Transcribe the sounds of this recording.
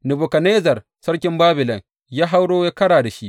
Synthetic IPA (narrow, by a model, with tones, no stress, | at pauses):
nɪ˨bʊ˨kɐ˨neː˦zɐ˨r | sɐ˦ɽkʲɪ˦mbaː˦bɪ˨lɔ˨ŋ | jaː˦ɦa˦wɽoː˦jaː˦kɐ˦ɽaː˨da˨ʃi˦ʔ